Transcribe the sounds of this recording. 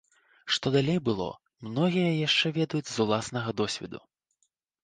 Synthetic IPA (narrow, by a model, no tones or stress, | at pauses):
ʂt̪ɔd̪alʲejbɨlˠɔ̰ | mnɔɣʲijɐjaʂt͡ʂɛvʲɛd̪ɐjud͡zʲzulˠasnɐɣɐd̪ɔsʲvʲɛ̰d̪ṵ